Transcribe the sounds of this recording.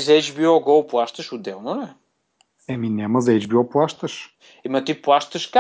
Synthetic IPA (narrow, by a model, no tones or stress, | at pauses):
zejt͡ʃβiɔɣowplˠaʃt̪ɐʃud̪ɛ̃w̃nɐ̃w̃ɛ | ɛmĩnɛmɐzɐjt͡ʃbiɔplˠaʃt̪ɐʃ | imɐ̃t̪iplˠaʃt̪ɐʃka